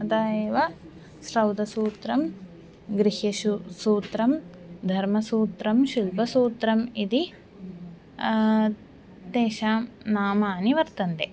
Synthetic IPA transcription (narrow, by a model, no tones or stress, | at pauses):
ɐd̪aːjeʋɐ | sɾɐwd̪ɐsuːt̪ɾɐm | ɡɾiɦɐʃusuːt̪ɾɐm | d̪ʱɐɾmɐsuːt̪ɾɐmʃilbɐsuːt̪ɾɐmid̪i | t̪eːʃaːmnaːmaːniʋɐɾt̪ɐnt̪e